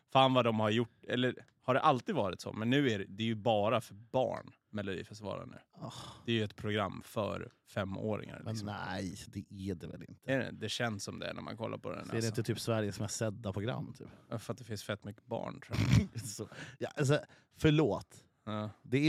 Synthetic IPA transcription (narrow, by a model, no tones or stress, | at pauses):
faːnvad̪ɔmhaɾjʊʈːɛlːə | haɖɛʔalt̪iːd̪vɑːɾɪt̪sɔ̰mɛnːʉ̟ːæɖɛd̪ɛːjɵbɑːɾafœɾbɑ̰ːɳ | mɛlʊd̪ḭːfɛst̪ɪvɑ̰ːɾa̰nʉ̟̰ːɑhd̪ɛːɾjɵɛt̪pʰɾʊɡɾamːfœ̰ɾ | fɛmːoːɾɪ̰ŋa̰ɾlmsɔmæjd̪ɛæɖɛvɛ̰lɪ̰nt̪əɛɛ̰d̪ɛɕɛnsːɔmd̪ɛ̰næ̰ɾma̰nkʰɔlːa̰ɾpʰɔd̪ɛ̰nɛɾɖɛɪnt̪ət̪ʰyːpsvæɾjəsɔmæsɛd̪ːapʰɾʊɡɾa̰mːt̪ʰy̰ːpɑfɾat̪̚d̪ɛfɪnsfɛt̪ːmʏkːəbɑ̰ːɳʈ̪ʰɾusɔjɑʔals̬ɔ | fœɭoːt̪ | ɑd̪ɛ